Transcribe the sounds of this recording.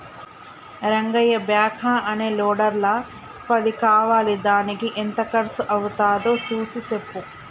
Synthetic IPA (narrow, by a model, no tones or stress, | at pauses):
ɾɐŋɡɐjɐbjaːkʰaʔɐne̞ːloːɽɐɾlɐ | pɐd̪ikaːʋaːlid̪aːnikiʔent̪ɐkɐɾɐsuʔɐʋut̪aːd̪oːsuːsisepːu